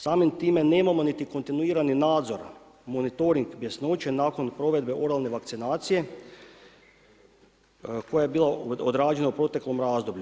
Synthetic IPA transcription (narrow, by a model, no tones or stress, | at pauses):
saːmimt̪iːme̞neːmamo̞nit̪iko̞nt̪inuiːɾaninaːd̪zo̞ɾ | mo̞nit̪o̞ɾiŋɡbjesno̞ːt͡ɕe̞naːko̞npɾo̞ʋe̞d̪be̞ʔo̞ɾalˠne̞ʋak̚t̪sinaːt̪sije̞ | ko̞jaje̞biːlˠaod̪ɾaːd͡ʒe̞naupɾo̞t̪e̞klo̞mɾaːzd̪o̞bʎu